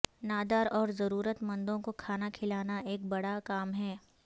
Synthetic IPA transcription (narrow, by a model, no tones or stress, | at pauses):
naːd̪aːɾɔːɾzɐɾuːɾət̪mɐ̃nd̪õkokʰaːnakʰɪlaːnaʔeːk̚bɐɽakaːmɦɛː